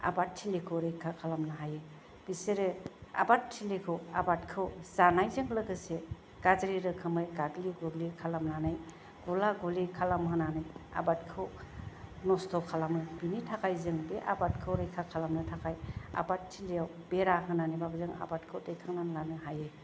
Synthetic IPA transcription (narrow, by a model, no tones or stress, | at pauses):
a̰batʰːilikʰɯɾejkʰakʰalamnɯɦaje | b̥iseɾɯa̰batʰːilekʰɯwabat̚kʰɯwzanajzɯŋlɯɡɯse | ɡ̥azɾiɾɯkʰɯmɯjɡaɡliɡuɡlikʰalamnanɯj | ɡ̥ulaɡɔlikʰalamɦɯnanɯja̰batkʰɯw | nɔstʰɔkʰalamɯbinitʰakʰajzɯŋbeʔabat̚kʰɯwɾejkʰakʰalamnɯtʰakʰaja̰batʰːileaw | b̥eɾaɦɯnanibabɯzɯŋa̰batkʰɯdejkʰaŋnanlanɯɦaje